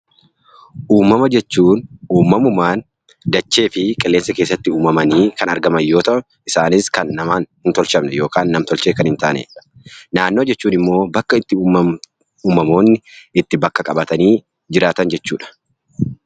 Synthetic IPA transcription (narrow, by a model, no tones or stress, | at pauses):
ʔuːmɐmɐd͡ʒɛt͡ʃːuːnuːmːɐmʊmaːn | d̪ɐt͡ʃːe̞ːfɪkʼɛlːe̞ːnsɐkeːs̬ːɐt̪ːɪuːmɐmɐniːkɐnɐɾɡɐmɐjo̞ːt̪ɐʔʊ | ɪsaːnɪskɐnːɐmaːnhɪnt̪ɔlʃɐmnɛjo̞ːkaːnːɐmt̪ɔlt͡ʃeːkɐnhɪnt̪a̰ːnḛːᶑɐ | naːnːoːd͡ʒɛt͡ʃːuːnɪmːo̞ːbɐkːɐɪt̪ːɪ | uːmɐmo̞ːnːɪɪt̪ːɪbɐkːɐkʼɐbɐt̪ɐniː | d͡ʒɪɾaːt̪ɐnd͡ʒɛt͡ʃːuːᶑɐ̥